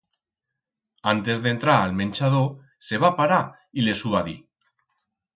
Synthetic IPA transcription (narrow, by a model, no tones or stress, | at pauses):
ant̪ezðent̪ɾaːlmẽnʲt͡ʃað̞o | seβ̞apaɾa | ilesuβaði